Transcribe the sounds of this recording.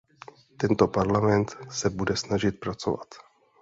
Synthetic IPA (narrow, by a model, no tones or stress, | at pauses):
t̪ɛnt̪o̞paɾlamɛnt̪sɛbudɛsnaʒɪt̪̚pɾat͡so̞̰va̰t̪